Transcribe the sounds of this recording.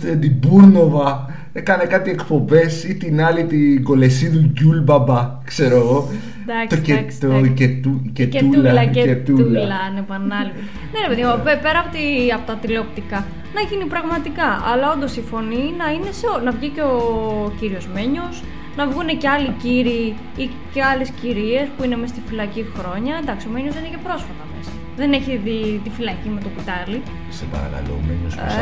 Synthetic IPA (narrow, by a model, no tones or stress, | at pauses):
t̪end̪ibuɾno̞vɐ | ekɐne̞kɐt̪ie̞kpo̞be̞sit̪inɐlit̪iɡo̞le̞siðuʝulbɐbɐ | kse̞ɾoeɣo̞ | d̪ɐt̪oesoet̪ucetulɐet̪ullɐnepɐnɐlu | ne̞ɾe̞peðimopepe̞ɾɐːpot̪iɐpot̪ɐt̪ilop̚t̪ikɐ | nɐʝinipɾɐɣmɐt̪ikɐʔɐlɐo̞nd̪osifo̞ninɐine̞seonɐvʝiceociɾio̞zme̞ɲo̞s | nɐvɣune̞ceɐliciɾi | i | ceɐle̞sciɾie̞spuinemest̪ifilɐcixɾo̞ɲɐend̪ɐksio̞meɲosinece̞pɾo̞sfɐt̪ɐme̞sɐ̥ | ðe̞neçiðit̪ifilɐcime̞t̪oput̪ɐli | sepɐ̰ɾɐ̰ka̰lo̰mḛɲos